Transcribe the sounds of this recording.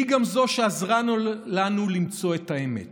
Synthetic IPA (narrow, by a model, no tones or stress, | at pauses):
iɡamzo̞ʃeazʁanuːanulimt͡so̞ethaemḛt